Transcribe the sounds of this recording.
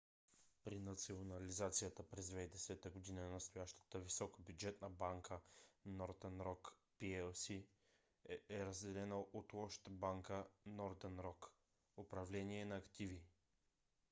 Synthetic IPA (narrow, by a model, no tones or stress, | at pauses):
pɾinɐt̪sionɐlizat̪sijət̪əpɾɛzd̪vɛjd̪ɛsɛt̪əɡod̪inənɐst̪ʊjaʃt̪ə̥t̪əvisɔkəbjud͡ʒɛt̪nəbaŋkʰənɔɾd̪ənɾɔkpiɛlsi | ɛɾɐzd̪ɛlɛnəʔot̪lˠɔʃt̪əbaŋkənɔɾd̪ənɾɔk | opɾɐvlɛniɛnɐːkt̪ivi